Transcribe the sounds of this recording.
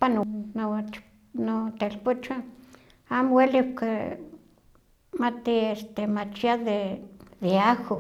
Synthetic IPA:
panno | not̪elput͡ʃa | amweliuke | mat̪iest̪emat͡ʃiaðeðeaxo

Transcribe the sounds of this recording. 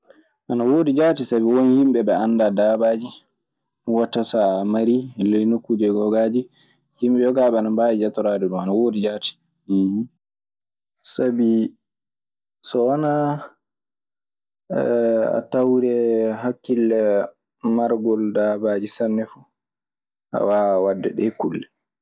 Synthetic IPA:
ʔanawoːdid͡ʒatisabiwonihimbɛbɛanːdadaːbaːd͡ʒi | watːatamaɾilejnokːud͡ʒɛɡɔɡad͡ʒi | himɓɛjɔɡaːɓɛanambajid͡ʒatɔɾadɛɗumanawoːdid͡ʒaːti̥ | sabi | sɔwana | a̰tawɾɛɦakːilːɛ | maɾɡɔldabad͡ʒisanːɛfu | ʔa̰wawadːɛɗɛkːulːɛ

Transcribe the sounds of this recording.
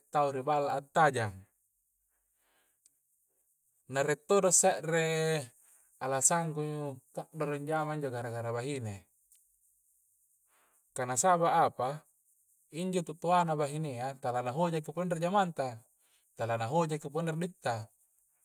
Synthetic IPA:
t̪auɾibalaːt̪ːad͡ʒaŋ | naɾet̪ːoɾosaʔɾe | alasaŋɡukaʔdoɾiɲd͡ʒamaiɲd͡ʒoɡaɾaɡaɾabaɦine | kanasabaʔːpa | iɲd͡ʒot̪uʔt̪oanabaɦineat̪alanaɦod͡ʒak̬ːipɔnderd͡ʒamant̪a | t̪alanaɦod͡ʒakːiponderdit̪ːa

